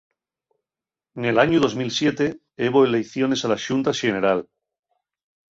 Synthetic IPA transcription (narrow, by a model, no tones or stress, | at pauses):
nelaɲuðo̞zmilsje̞t̪e | eβoelejθjo̞ne̞salaʃunt̪aʃeneɾal